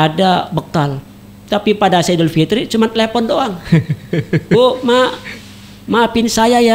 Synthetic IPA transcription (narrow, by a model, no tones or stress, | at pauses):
adabəkal | t̪apipadasedəlfit̪ɾit͡ʃumant̪əlepɔndoaŋ | oma | mapɪnsajaja